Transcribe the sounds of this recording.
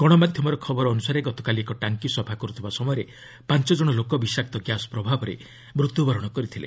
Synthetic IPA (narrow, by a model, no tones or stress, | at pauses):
ɡ̥ɔɽ̃ɔmad̪ʱjɔmɔɾɔkʰɔbɔɾɔːnusaɾeɡɔt̪ɔ̥kaliekɔʈaŋkisɔbʱakɔɾut̪ʰibasɔmɔjɔɾe | pant͡ʃɔd͡ʒɔɽ̃ɔlokɔbisak̚t̪ɔɡjasɔ̥pɾɔbʱabɔɾḛ | mɾut̪ːubɔɾɔɽ̃ɔkɔɾit̪ʰilḛ